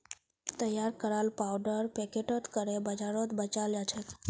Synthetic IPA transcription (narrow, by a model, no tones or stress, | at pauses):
t̪əjaɾkəɾalpawɖəɾpɛkeʈot̪kəɾebəd͡ʒaɾot̪bət͡ʃaljat͡ʃʰe